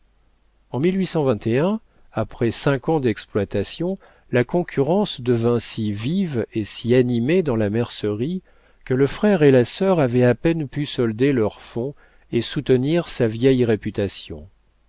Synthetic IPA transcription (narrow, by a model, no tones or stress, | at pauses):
ɑ̃milɥisɑ̃vɛ̃t̪eɛ̃ | apχɛsɛ̃kɑ̃d̪ɛksplwat̪asjɔ̃ | lakɔ̃kʲʰyʁɑ̃sd̪əvɛ̃sivivesianimed̪ɑ̃lamɛʁsəʁi | kələfχɛʁelasœʁavɛapɛnpysɔld̪elœʁfɔ̃ | esut̪əniʁsavjɛjʁepyt̪asjɔ̰̃